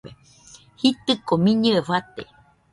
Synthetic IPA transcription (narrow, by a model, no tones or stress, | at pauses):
e | hit̪ɨkomĩɲɨeβat̪ḛ